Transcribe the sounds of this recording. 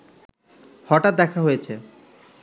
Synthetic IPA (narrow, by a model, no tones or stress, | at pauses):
hɔʈat̪̚d̪ɛkʰaɦojet͡ɕʰe